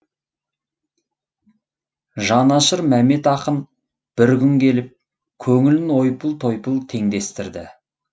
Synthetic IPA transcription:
ʒɑnɑʃəɾmæme̞t̪ɑqən | b̥ɪɾkʲʏŋkʲʰe̞lɪp̚ | kʲʰɵŋɪlɪnwo̞jpəlˠt̪ʰo̞jpəlˠt̪ʰe̞ŋd̪e̞st̪ɪɾd̪ɪ̰

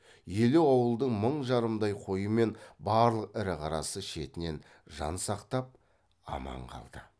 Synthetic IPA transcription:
jelewɑwəlˠd̪əɴməɴʒɑɾəmd̪ɑjqʰo̞jəme̞nbɑɾlˠəqɪɾɪqʰɑɾɑ̰səʃe̞t̪ɪne̞n | ʒɑ̰nsɑqt̪ɑp̚ | ɑ̰mɑ̰ɴqʰɑ̰lˠd̪̥ə

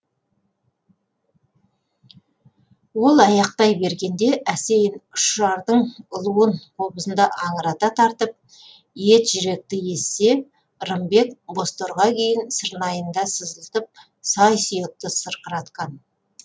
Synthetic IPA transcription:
wo̞lˠɑjɑq̚t̪ɑjbe̞ɾɡʲe̞nd̪e̞ʔæse̞jɪnʊ̥ʃɑɾd̪əɴʊlˠuəɴqʰo̞bəsənd̪ɑʔɑɴəɾɑt̪ɑt̪ʰɑɾt̪əp̚ | je̞t̪ʒ̥ʏɾe̞k̚t̪ɪje̞sːe̞ | ɾəmbe̞kbo̞st̪o̞ɾʁɑkʲʰe̞jɪnsəɾnɑjənd̪ɑsəzəlˠt̪əp̚ | sɑjsijət̪əsəɾqəɾɑt̪qɑn

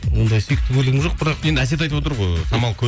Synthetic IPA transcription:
wo̞nd̪ɑjsek̚t̪ːɪbʲɵlɪɡʲɪʒo̞q̚bɪɾɑqje̞nd̪ɪæs̬e̞t̪̬ɑjt̪əpwot̪əɾʁojsɑmɑlˠkʲʰɵ

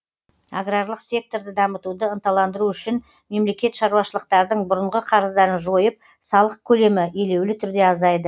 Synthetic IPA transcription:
aɡɾarlˠəqsʲe̞k̚t̪o̞ɾd̪ɪd̪ɑmət̪ud̪əənt̪ɑlˠɑnd̪əɾuʏʃɪn | me̞mle̞kʲe̞t̪ʃɑɾuwɑʃəlˠəq̚t̪ɑɾd̪əɴbʊɾəɴʁəqʰɑɾəzd̪ɑɾənʒo̞jəp̚ | sɑlˠəq̚kʲʰɵle̞mɪe̞le̞wlɪt̪ʰʏɾd̪e̞ɑzɑjd̪ə

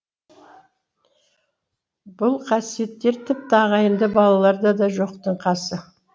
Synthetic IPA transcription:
bʊlˠqʰɑsije̞t̪ːe̞ɾt̪ʰɪp̚t̪əɑʁɑjənd̪əbɑlˠɑlˠɑɾd̪ɑd̪ɑʒo̞qt̪əɴqʰɑsə

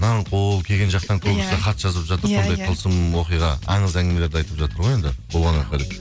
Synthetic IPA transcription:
nɑɴqʰolˠkʲʰe̞ɡʲenʒɑqt̪ɑŋkʲʰɵɡʲɪseχɑt̪ʒ̥ɑzəpʒɑt̪əɾsond̪ɑjqʰəlˠsəmwoqijʁɑɑ̰ɴəzæŋʲɪmele̞ɾd̪ɑjt̪əpʒɑt̪əɾʁoje̞nd̪ɪbʰo̞lˠʁɑɴɑqʰelet

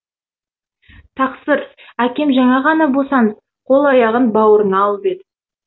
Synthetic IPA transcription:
t̪ʰɑqsəɾsækʲe̞mʒɑɴɑʁɑnɑbo̞sɑnəp | qʰo̞lˠɑjɑʁənbɑwəɾənɑːlˠəbed̪ɪ

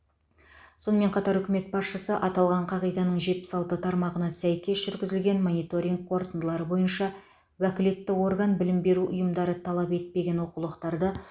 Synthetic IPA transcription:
so̞nəme̞ɴqʰɑt̪ɑɾʏkʲɪme̞t̪̚bɑsʃəsəʔɑt̪ɑlˠʁɑɴqʰɑʁijd̪ɑnəɴʒe̞t̪̚pɪ̥sɑlˠt̪ət̪ʰɑɾmɑʁənɑsæjkʲe̞sʒ̥ʏɾɡʲɪzɪlɡʲe̞nmo̞nijt̪o̞ɾʲiŋɡ̚qʰo̞ɾt̪ənd̪əlˠɑɾəbo̞jənʃɑ | wækʲɪle̞t̪ːɪwo̞rɡanbɪlɪmbe̞ɾuʔʊ̰jəmd̪ɑɾət̪ʰɑlˠɑpe̞t̪̚pe̞ɡʲe̞nwo̞qulˠəqt̪ɑɾd̪ə

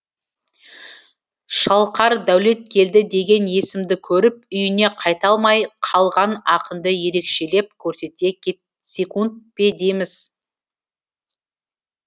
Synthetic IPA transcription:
ʃɑlˠqɑɾd̪æwle̞t̪̚kʲʰe̞ld̪ɪd̪e̞ɡʲe̞nje̞sɪmd̪ɪkʲʰɵɾɪp̚ʏjɪne̞qʰɑjt̪ɑlˠmɑjqʰɑlˠʁɑnɑqəmd̪əje̞ɾe̞kʃe̞le̞p̚kʲʰɵɾse̞t̪e̞ | sʲe̞kunt̪̚pe̞d̪emɪz̥

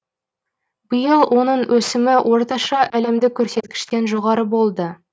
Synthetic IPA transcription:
bəjəlˠwʔo̞nəɴwʔɵsɪmɪwʔo̞ɾt̪ɑʃɑʔæle̞md̪ɪkʲʰːɵɾse̞t̪kʲɪ̥ʃt̪e̞nʒo̞ʁɑɾəbo̞lˠd̪ə

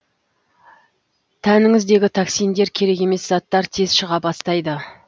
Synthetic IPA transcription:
t̪ʰænɪŋɪzd̪e̞ɡʲɪt̪ʰɑksijnd̪e̞ɾkʲʰe̞ɾe̞ke̞me̞szɑt̪ːɑɾt̪ʰezʃəʁɑbɑst̪ɑjd̪ə

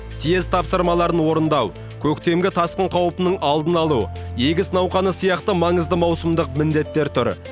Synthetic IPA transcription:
sijezt̪ʰɑpsəɾmɑlˠɑɾənwo̞ɾənd̪ɑw | kʲʰɵkt̪e̞mɡʲɪt̪ʰɑsqəɴqʰɑwəpənəɴʔɑlˠd̪ənɑlˠue̞ɡʲɪsnɑwqɑnəsijɑqt̪əmɑɴəzd̪əmɑwsəmd̪əqmɪnd̪e̞t̪ːe̞ɾt̪ʰʊɾ

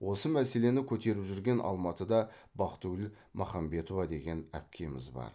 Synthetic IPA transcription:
wo̞səmæse̞le̞nɪkʲʰɵt̪e̞ɾɪpʒʏɾɡʲe̞nʔɑ̰lˠmɑt̪əd̪ɑbɑqt̪uɪl | mʔɑχɑmbe̞t̪o̞vɑd̪e̞ɡʲe̞næ̰p̚kʲʰe̞mɪzbɑ̰ɾ

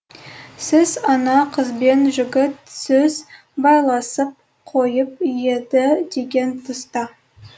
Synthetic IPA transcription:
sɪzɑnɑqʰəzbe̞nʒʏɡʲɪt̪sɵz | bɑjlˠɑsəp̚ | qʰo̞jəp̚jed̪ɪd̪e̞ɡʲe̞nt̪ʰəst̪ɑ

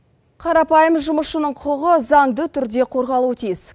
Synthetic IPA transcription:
qʰɑɾɑpɑjəmʒʊməʃənəɴqʰʊʁəzɑŋd̪ət̪ʰʏɾd̪e̞qʰo̞ɾʁɑlˠuət̪ʰijɪz̥

